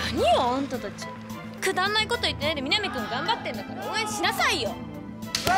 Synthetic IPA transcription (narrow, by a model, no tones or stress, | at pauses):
aɲ̟ijoãnt̪ot̪at͡ɕi | kɯ̟d̪ãnːaiko̞t̪o̞it̪ːenaid̪e̞mʲinamʲit̪ɯ̃ŋɡãmbat̪ːẽ̞nd̪akaɾaoeɕinasaijo